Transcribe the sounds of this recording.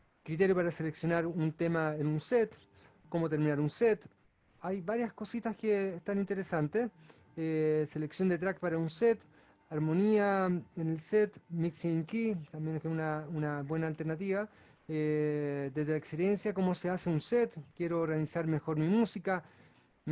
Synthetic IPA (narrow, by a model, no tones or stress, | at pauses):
kɾit̪̬eɾjopaɾase̞leksjo̞naɾunt̪emaenunset̪ | komo̞t̪e̞ɾminaɾunset̪ | ajβaɾjasko̞sit̪askeːst̪anint̪eɾesant̪es | ese̞leksjo̞nd̪e̞t̪̬ɾak̚paɾaunset̪ | aɾmo̞niaenelset̪miksiŋkit̪ambjenkunaunabwe̞naːlt̪eɾnat̪iβa | ed̪ezðelaekspeɾjensjako̞mo̞seaseunset̪kje̞ɾorealisaɾme̞xo̞ɾmimusika